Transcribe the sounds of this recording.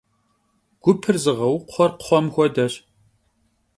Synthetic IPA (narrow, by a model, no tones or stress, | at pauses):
ɡ̥ʷʊpʰɨrzɨʁɐwʊqʷʊχʷɔrqʷʊ̥χʷɔmxʷɔdɐɕ